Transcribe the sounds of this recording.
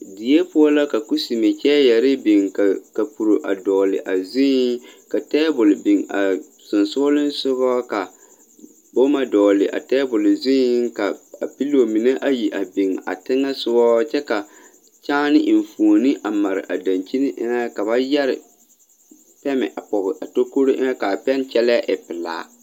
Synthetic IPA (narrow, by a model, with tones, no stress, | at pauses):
di˨e˦pʊ˦ɔ˦la˦ka˨ku˦si˨me˨t͡ʃɛː˦jɛ˨ɾɪ˦bɪ˨ŋka˨ka˨pu˨ɾo˨ʔa˨dɔː˨lɪ̰˨ʔa˨zi˦ka˨tɛː˦bʊ˨lbɪ˨ŋa̰˨ | sʊ˨nsʊ˦lɪ˦n˦sʊ˦βɔ˦ka˨ | bo˦ma˦dɔː˨lɪ˨ʔa̰˨tɛ˦bʊ˨lzi˦ka˨a˨pi˦lo˨mi˨ne˦ʔa˦ji˨ʔa˨bi˨ŋa̰˨tɪ˦ŋa˦sʊ˦bɔ˦t͡ʃɛ˦ka˨ | t͡ʃaː˦nɪ˦ʔɪ˨ɱ˨fu˨o˨nɪ˦ʔa˨ma˨ɾɪ̰˨ʔa˨dã˨nt͡ʃi˦nɪ˦ʔɪ̰˦na˦ka˨βa˦jɛ˦ɾɪ˨ | pɛ˦mɪ̰˨ʔa˨pɔ˨ɣɪ˨ʔa˨to˦ko˦ɾo˦ʔɪ˦na˦ka˨pɛ˦nt͡ʃɛ˦lɛ˦ʔɪ˨pɪ˨la̰ː˦